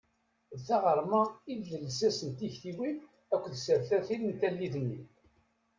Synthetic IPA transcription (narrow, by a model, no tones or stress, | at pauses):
ðθæʁəɾˤmæilːəlzæsənt̪içθiwi | ækʷːðsəɾθæθilənt̪ælːiðənːi